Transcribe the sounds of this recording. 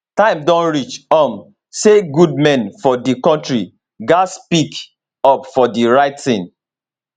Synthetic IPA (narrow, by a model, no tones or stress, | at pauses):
tãɪ̃mdɔ̃nɹit͡ʃɔm | seɡud̚mɛ̃nfɔdikɔ̃ntɹi | ɡaspik | ɔpfɔdiɹaɪtθĩn